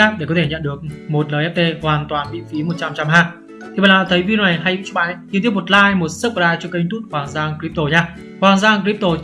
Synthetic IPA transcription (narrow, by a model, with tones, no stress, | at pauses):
aː˦˥p̚ɗe˧˩kɔ˨˦t̪ʰe˧ɲə̰˧˨nɗɨ˨˩ək̚mo˨˩t̚ləː˨˩jʔɛ˦˥p̚t̪e˧hwaː˨˩nt̪waː˨˩nɓḭ˧˨fi˨˦mo˨˩t̚t͡ɕa˧mt͡ɕa˧mɦaː˧ | t̪ʰi˨˩a̰ː˨laː˨˧˩t̪ə˨˦jvi˧˨˩na˨˩jɦaː˧jḭ˧˥t͡ɕu˦˥˩ʔaː˨˦jt͡ɕḭ˧˨nt̪i˦˥əp̬̚mo˨˩t̚laː˧jmo˨˩t̚sɨ˦˥p̚ːaː˧t͡ɕɔ˧kə˧jŋt̪ʰu˦˥t̚hwaː˨˩ŋzaː˧ŋkɾi˦˥p̚t̪o˧˩ɲaː˧ | kwaː˨˩ŋzaː˧ŋkɾi˦˥p̚t̪o˧